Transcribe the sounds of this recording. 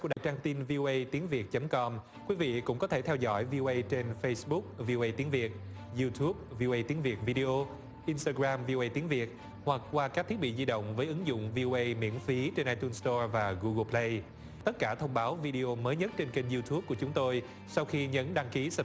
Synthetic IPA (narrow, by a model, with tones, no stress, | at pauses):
u˧˩a˧˨˩t͡ɕaː˧ŋt̪i˧nvi˧ʔo˧ʔə˧jt̪i˨˦əŋvi˨˩ət̚t͡ɕə˨˦mkɔ˧m | kwi˨˦vḭ˧˨kʊ̰˧˥ŋ͡mkɔ˨˦t̪ʰe˧˩t̪ʰɛ˧wzɔ̰˧˩jvi˧ʔo˧ʔə˧jt͡ɕe˧nfə˧jsɓʊ˦˥k̚vi˧ʔo˧ʔə˧jt̪i˨˦ənvi˨˩ət̚ | zu˧t̪ʰu˦˥p̚vi˧ʔo˧ʔə˧jt̪i˨˦ənvi˨˩ət̚vi˧ɗi˧ʔo˧ | ʔi˧nst̪aː˧ɣɾaː˧mvi˧ʔo˧ʔə˧jt̪i˨˦ənvi˨˩ət̚ | hwa˨˩k̚kwaː˧kaː˦˥k̚t̪ʰi˦˥əɓḭ˧˨zi˧ɗo̰˧˨wŋ͡mvəː˨˦jʔɨ˨˦ŋzʊ̰˧˨ŋ͡mvi˧ʔo˧ʔə˧jmḭ˧˥ənfi˨˦t͡ɕe˧nʔaː˧jt̪u˧nst̪ɔ˧vaː˨˩ɣu˧ɣə˧pʰlə˧j | t̪ə˦˥t̚kaː˧˩t̪ʰə˧wŋ͡mɓaː˨˦wvi˧ɗi˧o˧məː˨˦jɲə˦˥t̚t͡ɕe˧nke˧nzu˧t̪ʰu˦˥p̚ku˧˩ət͡ɕʊ˨˦ŋ͡mt̪o˧j | sa˧wxi˧ɲə˨˦nɗaː˧ŋki˨˦sə˨˩